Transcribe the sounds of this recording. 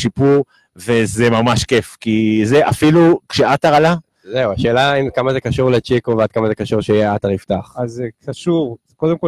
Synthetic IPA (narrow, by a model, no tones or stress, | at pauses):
ʃipuʁ | ve̞zemamaʃkefkizeʔa̰filukʃeataʁala | zeuaʃeːlaimkamazekaʃuʁlet͡ʃekovead̥̪̚kamaze̞kaʃuʁʃejeataʁiftaχazekaʃuʁ | kod̪emko